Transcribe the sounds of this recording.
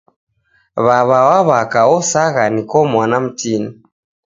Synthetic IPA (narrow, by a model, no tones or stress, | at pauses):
βaβawaβakaɔsaɣanikɔmwanam̩tini